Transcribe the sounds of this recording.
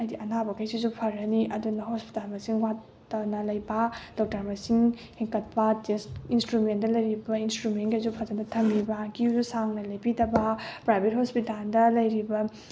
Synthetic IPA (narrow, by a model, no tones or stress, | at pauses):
ɐjdiʔɐnabɐkɐjsizupʰɐɾɐniʔɐdunɐɦospi̥talmɐsiŋwa | ɐnɐlɐjbɐd̥ɔk̚tɐɾmɐsiŋ | hiŋkɐt̚pɐtestinstɾumendɐlɐjɾibɐinstɾumenɡezupʰɐzɐdɐtʰɐmibɐɡizusaŋnɐlɐjpidɐbɐpɾajbet̚hospitaldɐlɐjɾibɐ